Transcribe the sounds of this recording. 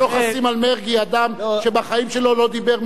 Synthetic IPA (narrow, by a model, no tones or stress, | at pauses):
oχasimalmeʁɡiad̪amʃebaχaimʃelo̞lo̞d̪ibeʁm